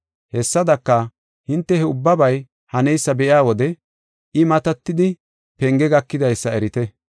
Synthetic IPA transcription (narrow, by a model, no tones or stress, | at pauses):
hɛsːɐd̪ɐkːɐ | hɪnt̪ːɛhɛʊbːɐbɐj | hɐnɛjsːɐbɛʔɪaːwɔd̪ɛ | ʔɪmɐt̪ɐt̪ːɪd̪ɪ | pɛŋɡɛɡɐkːɪd̪ɐjsːɐɛɾɪt̪ɛ